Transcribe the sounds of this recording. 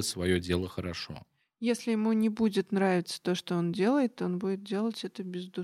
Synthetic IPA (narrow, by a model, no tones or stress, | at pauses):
ətʲsvɐjodʲe̞lˠəxəɾɐʂo̰ | jesʲlʲɪjɪmunʲɪbudʲɪt̪nɾavʲɪt̪sə̥t̪o̞ʂt̪oondʲe̞lˠəjɪt̪o̞nbudʲɪt̪̚dʲe̞lˠətʲɛt̪əbʲɪzd̪u